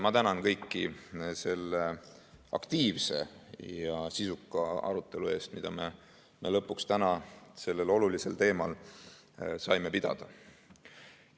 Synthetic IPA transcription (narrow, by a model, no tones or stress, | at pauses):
mɑt̪ænɑnkɤjkːise̞lːeɑ̰kt̪iːvse̞̰jɑsisukːˑɑɑ̰ɾut̪ːˑe̞lue̞ːst̪mid̪̥ɑme̞ | me̞lɤpːˑukst̪ænɑse̞lːe̞lo̞lulise̞lt̪e̞ːmɑl | sɑjme̞pid̪̥ɑ̰d̪̥ɑ